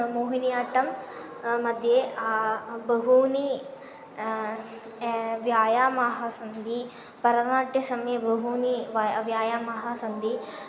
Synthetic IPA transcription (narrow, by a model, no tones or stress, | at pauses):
muːɦinijaːʈːɐm | mɐd̪ʱjeabɐɦuni | ʋjaːjaːmaːɦaːsɐnd̪i | pɐɾɐnaːʈjɐsɐmjɐbɐɦuniʋʋjaːjaːmaːɦaːsɐnd̪i